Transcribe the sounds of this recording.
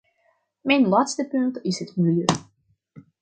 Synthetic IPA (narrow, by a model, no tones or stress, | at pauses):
mɛjnlaːtstəpɵntɪsɦətmɪljø